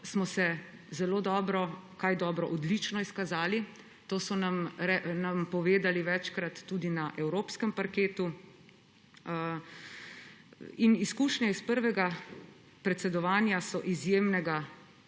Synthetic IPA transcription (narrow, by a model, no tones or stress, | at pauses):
smɔsɛ | zɛloːd̪ɔːbɾɔkajd̪ɔːbɾɔʔɔd̪lit͡ʃnɔiskazaːli | t̪oːsɔnamɾɛnampɔʋeːd̪aliʋɛt͡ʃkɾat̪ːuːd̪inaʔɛwɾoːpskɛmpaɾkeːt̪u | iniskuːʃɲɛispəɾʋɛɡa | pɾɛt̪sɛd̪ɔʋaːnjasɔʔizjeːmnɛɡa